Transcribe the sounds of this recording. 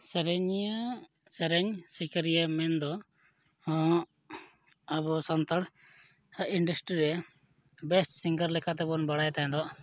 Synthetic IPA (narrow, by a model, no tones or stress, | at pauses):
sɛɾeɲa | sɛɾɛɲsikɾijamɛnd̪ɔ | ɐbɔsant̪əɽ | iɳɖəsʈɾiɾɛ | bɛsʈsiŋɡəɾlɛkʰat̪ɛbɔnbɐɽajt̪aɦɛ̃d̪ɔ